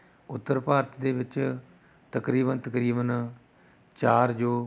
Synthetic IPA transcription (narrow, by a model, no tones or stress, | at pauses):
ʊt̪ːəɾpaːɾət̪d̪eːʋɪt͡ʃ | t̪əkɾiːbənt̪əkɾiːbən | t͡ʃaːɾd͡ʒoː